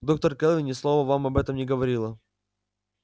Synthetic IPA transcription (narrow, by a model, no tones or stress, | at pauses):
d̪ok̚t̪ərkɛlˠvʲɪnʲɪslˠovəvamɐbɛt̪əmnʲɪɡəvɐɾʲilˠə